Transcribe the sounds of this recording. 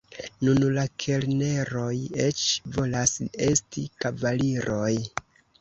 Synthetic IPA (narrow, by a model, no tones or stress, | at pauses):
nunlakʰe̞lne̞ɾo̞je̞t͡ʃvo̞lase̞stikavaliɾo̞j